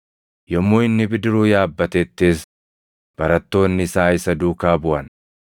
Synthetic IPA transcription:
jɔmːoːɪnːɪbɪd̪ɪɾuːjaːbːɐt̪eːt̪ːeːs | b̥ɐɾɐt̪ːo̞ːnːɪsaːɪsɐd̪uːkaːbʊʔɐn

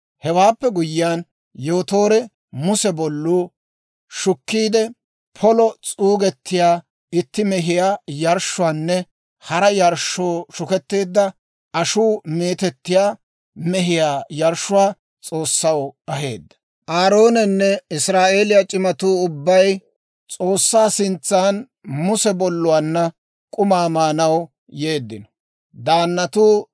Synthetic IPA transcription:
hɛwaːpːɛɡʊjɪjaːn | joːt̪o̞ːɾɛ | mʊsɛbɔlːuː | ʃʊkːiːd̪ɛ | pʰɔlɔt͡sʼuːɡɛt̪ːɪjaː | ɪt̪ːɪmɛɦɪjaːjɐɾʃʊwaːnːɛ | hɐɾɐjɐɾʃoːʃʊkɛt̪ːe̞ːd̪ːɐ | ʔɐʃuːme̞ːt̪ɛt̪ːɪjaː | mɛɦɪjaːjɐɾʃʊwaː | t͡sʼo̞ːsːɐwɐɦe̞̰ːd̪ːɐ̥ | ʔaːɾo̞ːnɛnːɛɪsɾaːʔe̞ːlɪjat͡ʃʼɪmɐt̪uːʊbːɐj | t͡sʼo̞ːsːaːsɪnt͡sːaːn | mʊsɛbɔlːʊwaːnːɐ | kʼʊmaːmaːnɐw | jeːd̪ːɪnɔ̥ | d̪aːnːɐt̪uː

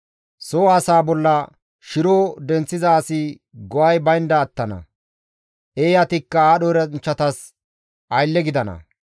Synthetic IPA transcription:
soːɐsaːbɔlːɐ | ʃɪɾoːd̪ɛnt͡sːɪzɐːsɪ | ɡɔwɐjbɐjnd̪ɐːt̪ːɐnɐ̰ | ʔeːjɐt̪ɪkːɐaːɗɔɾɐnt͡ʃːɐt̪ɐs | ʔɐjlːɛɡɪd̪ɐnɐ̰

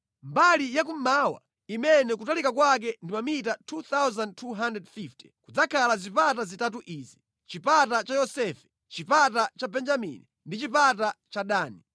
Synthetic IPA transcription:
mbalijak̬um̩mawa̰ | imɛnɛkutalikakwak̬ɛndimamitatʰut̪awzand̚tʰuɦandɛdfifti̥kud͡zakʰalazipatazitat̬uʔiːzi | t͡ʃipatat͡ʃajɔsɛfɛ̥ | t͡ʃipatat͡ʃabɛnd͡ʒamḭni | ndit͡ʃipatat͡ʃaɗaːni

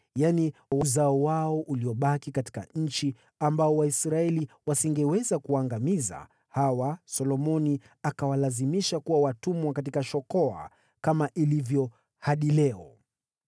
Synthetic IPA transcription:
janiwuzaɔwaɔʔuliɔɓakikati̥ka̰ɲ̩t͡ʃi | ambaɔwaisɾaɛliwasiŋɡɛwɛzakuaŋɡamiza̰ | hawasɔlɔmɔni | akawalazimiʃakuwawatumwakat̬ikaʃɔkɔa̰ | kamaʔilivjɔ | haɗilɛɔ

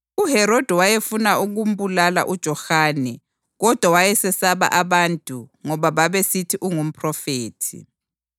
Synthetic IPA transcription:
uɦɛɾɔd̥ʱɛwajefunauɣum̩bulala̰ʔud̥ʒ̥ʱɔxaːnɛ | ɣɔd̥ʱwawajɛsɛsaβa̰ʔaβantʼuŋɔβaβaβesitʰiʔuŋum̩pʰʼrɔfeːtʰḭ

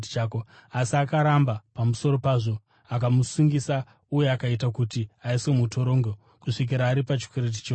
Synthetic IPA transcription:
tit͡ʃaːkoasiakaɾambapamuso̞ɾo̞paːʐo̞ | akamusuŋɡisa | uje̞akaitakutiaise̞muto̞ɾo̞ːŋɡo | kuʂik̬iɾaːɾipat͡ʃi̥kwe̞ɾet̬i̥t͡ʃo

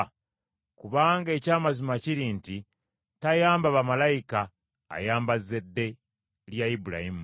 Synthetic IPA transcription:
kuβaːŋɡe̞ːcaːmazimaciɾiːnti | tajaːmbaβamalajika̰ː | jaːmbazːe̞dːe̞ | ljaibuɾa̰himu

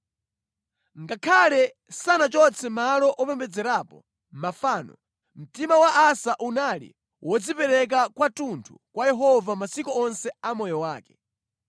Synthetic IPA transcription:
ŋɡakʰalɛ | sanat͡ʃɔt͡sʰɛmalɔʔɔpɛmbɛd͡zɛɾaːpɔ | mafaːnɔ̰ | m̩timawaʔasaʔunalḭ | wɔd͡zipɛɾɛk̬akwatuntʰṵkwajɛɦɔvamasikɔɔnsɛamɔjɔwaːkɛ̥

